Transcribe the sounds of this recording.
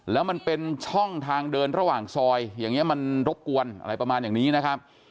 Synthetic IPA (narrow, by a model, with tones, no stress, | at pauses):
lɛː˦˥wma˧npe˧nt͡ɕʰɔ˥˩ŋt̪ʰaː˧ŋdɤː˧nɾa˧waː˨˩ŋsɔː˧jjaː˨˩ŋːni˦˥ɐma˧nɾo˦˥p̚ku˧ənʔa̰˧ɾa˧jpɾa˧maː˧njaː˨˩niː˦˥na˦˥kʰa˦˥p̚